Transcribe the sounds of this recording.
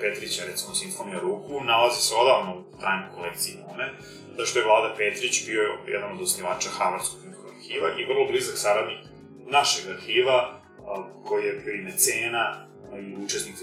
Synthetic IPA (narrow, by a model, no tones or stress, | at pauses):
pet̪ɾit͡ɕaɾɛt̪simosiɱfonijaɾuːkunalaziseo̞d̪aʋnout̪ɾʔaːjɲojkolek̚t̪siinome | zaʃt̪ojevlˠaːd̪apet̪ɾit͡ɕbiojɛ̰d̪anod̪osniʋaːt͡ʃaxaʋaɾskokunoaɾxiːʋaʔivər̩lˠoblizaksaɾad̪nik | naʃeɡaɾxiːʋa | kojijepinet̪seːna | iut͡ʃesnik